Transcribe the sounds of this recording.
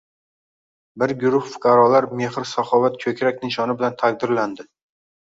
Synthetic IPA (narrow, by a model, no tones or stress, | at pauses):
bɪɾɡʊɾʊhfʊ̥qɑɾɒlaɾme̞hɾsaχɒvat̪kʲʰɵkʲɾakʲnɪɪʃɒnɪbɪlant̪ʰaq̚d̪ɪɾland̪ɪ